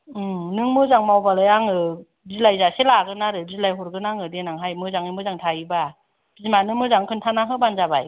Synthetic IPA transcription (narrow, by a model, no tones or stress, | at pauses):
ɯnɯŋmɯzaŋmawbalajaŋɯ | zilajzaselaɡɯnaɾɯzilajɦɔɾɡɯnaŋɯdenaŋɦajmɯzaŋimɯzaŋtʰaiba | zimanɯŋmɯzaŋkʰɯntʰanaɦɯbanzabaj